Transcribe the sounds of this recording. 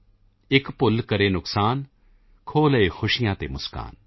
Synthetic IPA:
ɪkpʊlːkɐɾenʊksaːn | kʰoːleːxʰʊʃɪjãːt̪emʊska̰ːn

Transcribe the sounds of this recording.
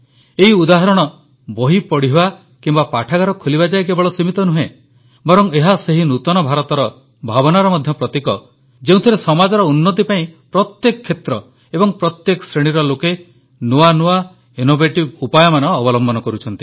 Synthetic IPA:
eɦiud̪aɦɔɾɔɽ̃ɔ | boɦipɔɽiɦua | kimbapaʈʰaɡaɾɔkʰolibad͡ʒaekebɔɭɔsimit̪ɔnuɦẽ | bɔɾɔŋeɦaseɦinut̪ɔnɔbʱaɾɔt̪ɔɾɔ | bʱabɔnaɾɔmɔd̪ʱjɔpɾɔt̪ikɔ | d͡ʒeũt̪ʰiɾesɔmad͡ʒɔɾɔunːɔt̪̬ipaĩpɾɔt̪jekɔkʰːet̪ɾɔ | ebɔŋpɾɔt̪jekɔsɾeɽ̃iɾɔloke | nuanua | inobeʈibupajɔmanɔːbɔlɔmbɔnɔkɔɾut͡ʃʰɔnt̪i̥

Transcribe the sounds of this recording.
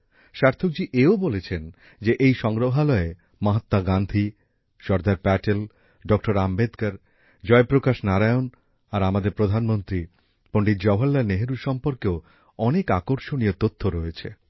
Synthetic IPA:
ʃaɾt̪ʰok̚d͡ʑiʔeobolet͡ɕʰen | d͡ʑeʔejʃɔŋɾoɦalɔe | maɦat̪ːaɡand̪ʱi | ʃɔɾd̪aɾpɛʈel | ɖɔk̚ʈoɾambed̪kaɾ | d͡ʑɔepɾokaʃnaɾajon | aɾamad̪eɾpɾod̪ʱanmont̪ɾi | poɳɖit̪d͡ʑɔɦalːaneɦeɾuɾʃɔmpoɾkeo | ɔnekakoɾʃoniot̪ot̪ʰːoɾɔet͡ɕʰḛ

